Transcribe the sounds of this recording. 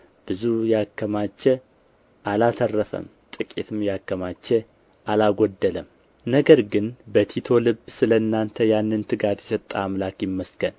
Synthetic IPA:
b̥ɨzujɛakːəmat͡ʃːɛ | ʔalat̪ʰərːəfə̰m | t̪ʼɨkʼet̪ʰɨmjakːəmat͡ʃːɛ | ʔalaɡʷɔd̪ːələm | nəɡəɾɡɨnbət̪ʰit̪ʰo̞lɨbsɨləɨnːant̪ʰəjanːɨnt̪ʰɨɡat̪jɛsət̪ʼːa̰ːmlakjɪmːəskən

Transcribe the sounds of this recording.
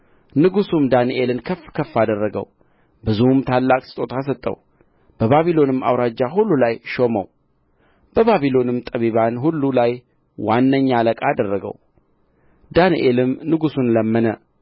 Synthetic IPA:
nɨɡusumd̪anʔe̞lɨnkʰəfːkʰəfːad̪ərːəɡə̰w | bɨzuhmt̪ʰalːakʼsɨ̥t̪ʼo̞t̪ʰas̬ət̪ʼːə̰w | b̥əβaβilo̞nɨmːa̰wɾad͡ʒːaɦulːulajʃo̞mə̰w | b̥əβaβilo̞nɨmt̪ʼəβiβanɦulːulaj | wanːəɲːaləkʼad̪ərːəɡə̰w | d̪aniʔelɨmnɨɡusunləmːənə

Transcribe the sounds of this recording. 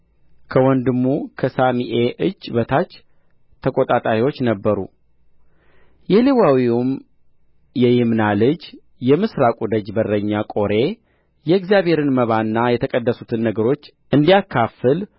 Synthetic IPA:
kʰəwɔnd̪ɨmːukʰəsamiʔeʔɨd͡ʒːbət̪ʰat͡ʃː | t̪ʰəkʼo̞t̪ʼat̪ʼaɾiwo̞t͡ʃːnəbːəɾṵ | jɛlewawium | jɛjɪmnalɨd͡ʒ | jɛmɨsɾakʼud̪əd͡ʒbərːəɲːakʼo̞ɾe̞ | jɛɪkzijaβhe̞ɾɨnməβanːajɛt̪ʰəkʼəd̪ːəsut̪ʰɨnːəɡəɾo̞t͡ʃː | ɨnd̪ijakʰːafɨl

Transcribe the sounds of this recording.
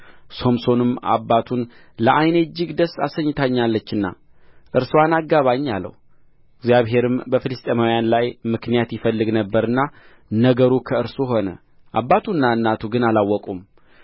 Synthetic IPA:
so̞mso̞nɨma̰bːat̪ʰun | ləʔajned͡ʒːɨɡd̪əsːasəɲːɪt̪ʰaɲːalːət͡ʃːɨnːa̰ | ʔɨɾswanaɡːaβaɲːalːə̰h | ɪɡzjaβɦe̞ɾɨmbəfɨlɨst̪ʼemawjanlajmɨknijat̪jɪfəlːɨɡnəbːəɾɨnːa | nəɡəɾukʰəɨɾsuɦo̞nə̰ | ʔabːat̪ʰunːaɨnːat̪ʰuɡɨnalawːɔkʼum

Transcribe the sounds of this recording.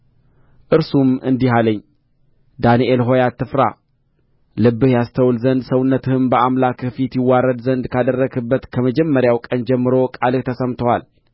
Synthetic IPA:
ʔɨɾsumɨ̰nd̪iɦaləɲː | d̪aniʔelɦo̞jat̪ʰːɨfɾa̰ | lɨbːɨhjast̪ʰəwlzənd̪səwnːət̪ɨhɨmbəamlakɨfit̪jɪwːaɾəd̪zənd̪kʰad̪ərːəɡɨbːət̪kʰəməd͡ʒɛmːəɾjawkʼənd͡ʒɛmːɨɾo̞kʼalɨkt̪ʰəsəmt̪ʰəwal

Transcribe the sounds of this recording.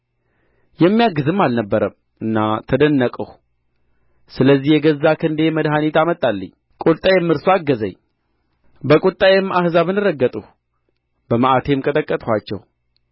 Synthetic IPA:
jɛmːijaɡːɨzɨmːalnəbːəɾəm | ɨnːat̪ʰəd̪ənːəkʼəh | sɨləzːihjɛɡəzːakʰɨnd̪eməd̪ɦanit̪amət̪ʼːalːə̰ɲː | kʼot̪ʼajɛmːɨɾsoaɡːəzə̰ɲ | bəkʼut̪ʼajɛmːʔahzaβɨnɨɾəɡːət̪ʼuh | bəməʔat̪ʰe̞mkʼət̪ʼəkʼːət̪ʼhʷat͡ʃːɛ̰w

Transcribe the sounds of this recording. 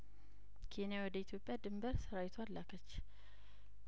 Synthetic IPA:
kʰe̞nijawɔd̪əit̪ʰjo̞pʼːjad̪ɨmbəɾsɨɾawɪt̪ʰoalːakʰət͡ʃː

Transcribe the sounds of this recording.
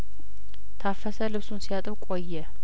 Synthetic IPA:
t̪ʰafəsəlɨβsunsijat̪ʼɨβkʼojːɛ

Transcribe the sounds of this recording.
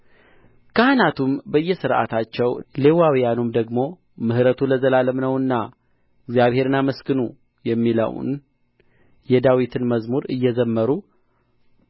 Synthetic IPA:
kʰəhanat̪ʰumbəjːɛsɨɾʔa̰t̪ʰat͡ʃːɛwle̞wawijanumd̪əɡmo̞ | mɨhɨɾət̪ʰuləzəlaləmnəwɨnːa | ɪɡzijaβhe̞ɾɨnaməskɨnu | jɛmːilə̰w̰n | jɛd̪awit̪ʰɨnməzmuɾɨjːɛzəmːəɾu

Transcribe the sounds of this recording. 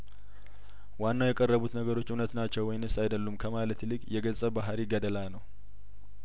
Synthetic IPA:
wanːawjɛkʼərːəβut̪nəɡəɾo̞t͡ʃːunət̪nat͡ʃːɛwːɔjɪnɨsajd̪əlːumkʰəmalət̪lɨkʼjɛɡəsʼəbaɦɾiɡəd̪əlanəw

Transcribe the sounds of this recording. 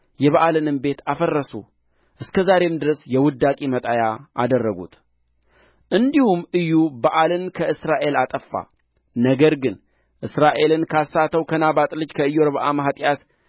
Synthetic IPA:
jɛβaʔalɨnɨmbe̞t̪afərːəsṵ | ʔɨskʰəzaɾe̞md̪ɨɾəsjɛwʊd̪ːakʼimət̪ʼajaʔa̰d̪ərːəɡṵt̪ | ʔɨnd̪ihumʔɨjːubəʔalɨnkʰəɨsɾaʔe̞lat̪ʼəfːa̰ | nəɡəɾɡɨn | ʔɨsɾaʔe̞lɨnkʰasːat̪ʰəwkʰənabat̪ʼlɨd͡ʒkʰəɨjoɾβəʔaməɦat̪ʼjat̪

